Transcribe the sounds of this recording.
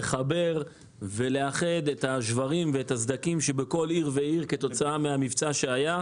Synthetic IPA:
eχabe̞ʁ | ve̞le̞aχe̞d̪ethaʃvaʁimveetazd̪akimʃebeko̞liʁveiʁketo̞t͡saameamivt͡saʃe̞aja

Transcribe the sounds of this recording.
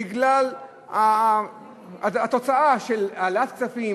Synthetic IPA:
iɡlal | a | aat̪ot͡saʔaʃelaleat̪k̚t͡safi

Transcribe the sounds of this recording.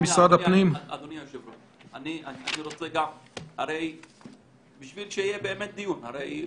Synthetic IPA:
bisʁad̪apnimad̪onijaʃevlo | aniaa̰niɾot͡seɡamhaɾej | biʃvilʃeijebeːmet̪̚d̪ijunhaɾej

